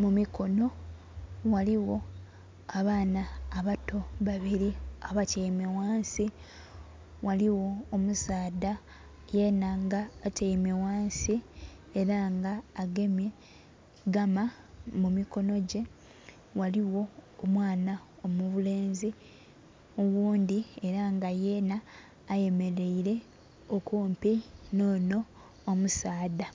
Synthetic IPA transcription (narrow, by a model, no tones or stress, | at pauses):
mumiko̞no̞ | waliwo̞ | aβaːnaːβato̞βaβiɾiaβaceime̞waːnsi | wʔaliwo̞ːmusaːda | je̞ːnaŋɡaːteime̞waːnsi | eɾaŋɡaːɡe̞mje | ɡama | mumiko̞no̞ɟe̞ | waliwo̞ːmwaːnao̞muβule̞ːnzi | owuːnd̪ie̞ɾaŋɡaje̞ːnaː | je̞me̞ɾe̞iɾe̞ | okuːmpino̞ːno̞ː | musaːda